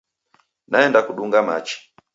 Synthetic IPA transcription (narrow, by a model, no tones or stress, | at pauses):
naɛndakuɗuŋɡama̰t͡ʃi̥